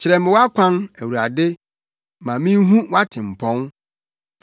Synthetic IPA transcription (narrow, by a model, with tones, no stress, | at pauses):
t͡ɕʰɪ˨ɾɛ˨mɪ̃˨wa˦kʷʰã˦næ˨wu˨ɾa˨dɪ˦ | mã˨mĩ˦n˦ɦũ˦wa˦tʰɪ̃˨m̩˨pʰɔ̃˦n